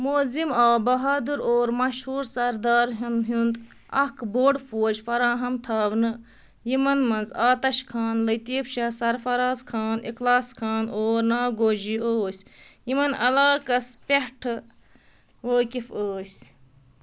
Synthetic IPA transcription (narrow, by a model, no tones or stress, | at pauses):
moːzimaːbɐɦaːd̪uɾoːɾmɐʃhuːɾsɐɾd̪aːɾɦund̪ɦund̪ | ɐkboːɖfoːd͡ʒfɐɾaːɦɐmt̪ʰaːbnɨ | jimɐnmɐnzaːt̪ɐʃkʰaːnlɐt̪iːpʃɐsɐɾfɐɾaːzkʰaːniklaːskʰaːnoːɾnaːɡoːd͡ʒioːsʲjimɐnɐ̰laːkɐspʲeɦʈʰɨ | ʋoːkʲifoːsʲ